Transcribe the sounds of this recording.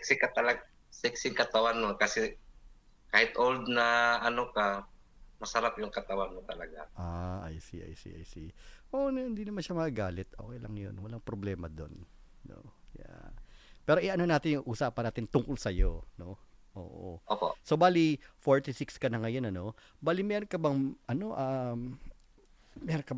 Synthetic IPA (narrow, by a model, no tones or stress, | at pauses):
sksɪkɐt̪ɐlɐɡ | sɪksɪŋkɐt̪ɐwanmokɐsɛ | kaːhɪt̪ʔold̪nɐɐnoka | mɐsɐɾapjʊŋkɐt̪ɐwanmot̪ɐlɐɡaʔaʔajsḭʔa̰jsḭʔa̰jsiʔoʔnhɪnd̪inɐmanʃamɐkɐɡaːlɪt̪̚ʔoːkɛjlɐŋjo̞̰nwɐlaŋpɾoblɛːmɐd̪o̞̰nː | o̰ja̰pɛːɾoʔɪʔɐnonaːt̪ɪnjʊŋʔuːsaʔpɐnaːt̪ɪnt̪ʊŋkʊlsɐjono̞ʔo̰ːʔo̰ʔoːpo̰sobaːlifoɹt̪isɪkskɐnɐŋɐjonɐno̞ | baːlimɛːɾonkɐbɐŋʔɐno̞ʔaːm | mɛɾokɐb